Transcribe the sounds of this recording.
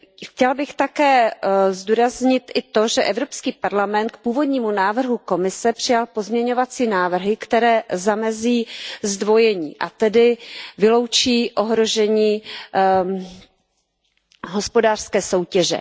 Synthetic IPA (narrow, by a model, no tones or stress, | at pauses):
xcɛlbɪxt̪akɛːzd̪uːɾazɲɪt̪ʔɪt̪o̞ʒɛʔɛvɾo̞pskiːpaɾlamɛnt̪̚k̚puːvo̞dɲiːmunaːvr̩ɦuko̞mɪsɛpr̥ɪjalpo̞zmɲɛɲo̞vat͡siːnaːvr̩ɦɪkt̪ɛɾɛːzamɛziːzdvo̞jɛɲḭːʔa̰t̪ɛdɪvɪlo̞wt͡ʃiːʔo̞ɦɾo̞ʒɛɲiː | ɦo̞spo̞daːr̥skɛːso̞wcɛʒɛ̰